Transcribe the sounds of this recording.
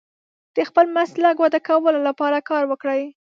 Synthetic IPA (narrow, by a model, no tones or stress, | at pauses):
d̪̥əxpəlmaslaɡwad̪akawəlolapɑɾakɑɾwəkɽəj